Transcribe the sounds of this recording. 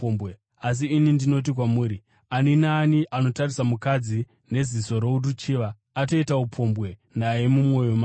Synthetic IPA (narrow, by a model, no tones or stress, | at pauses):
be | as̬iːnindino̞t̬ik̬wamuːɾi | aninaːniʔano̞tarisamukad͡zi | ne̞ziso̞ɾo̞urut͡ʃiːʋaː | to̞itaupʰo̞mbwe̞naje̞mumwo̞jo̞maː